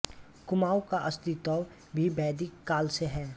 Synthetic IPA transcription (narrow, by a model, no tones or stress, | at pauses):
kʊmaːwkaʔɐst̪it̪ɔːw | bʱibɛːd̪ɪkːaːlseɦɛː